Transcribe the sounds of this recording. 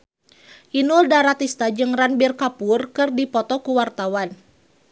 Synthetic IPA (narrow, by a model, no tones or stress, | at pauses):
ʔinuldaɾat̪ist̪ad͡ʒɨŋranbirkapurkɨrdipɔt̪ɔkuwart̪awan